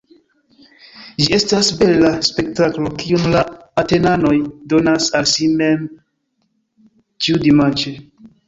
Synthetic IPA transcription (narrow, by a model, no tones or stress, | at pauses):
d͡ʒie̞stasbe̞laspe̞ktaklo̞kiunlaː | te̞nano̞jdo̞nasalsimem | t͡ʃiudimand͡ʒe